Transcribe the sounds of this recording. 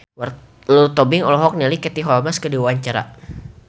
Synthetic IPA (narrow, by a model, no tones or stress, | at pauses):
w | lut̪ɔbɪŋɔlɔɦɔk̚nilikɛt̪iɦɔlmaskədiwaɲt͡ʃaɾa̰